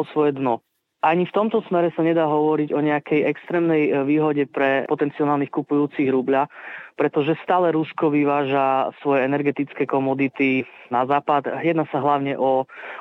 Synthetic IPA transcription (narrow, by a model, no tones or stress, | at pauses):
ɔsʋɔjɛd̪nɔ | ʔaɲift̪ɔmt̪ɔsmɛɾɛsaɲɛd̪aːɦɔʋɔɾiɟɔɲɛakɛjɛkst̪ɾɛːmnɛjʋiːɦɔɟɛpɾɛpɔt̪ɛnt͡siɔnaːlˠnixkupujuːt͡siɣɾubʎapɾɛt̪ɔʒɛst̪aːlɛɾuskɔʋiʋaːʒasʋɔjɛɛnɛɾɡɛt̪it͡skɛːkɔmɔd̪it̪inazaːpad̪jɛd̪naːsaɦlaʊɲɛʔɔ